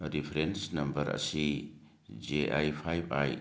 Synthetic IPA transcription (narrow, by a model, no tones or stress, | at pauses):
ɾipʰɾensnɐmbɐɾɐ̰si | d͡ʒeʔajpʰajba̰j